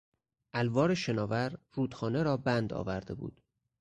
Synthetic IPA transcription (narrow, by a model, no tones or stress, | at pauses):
ʔælvɒːɾeʃe̞nɒːvæɾruːd̪̥xɒːne̞ɾɒːbænd̪ɒ̰ːvæɾd̪e̞bṵːd̪̥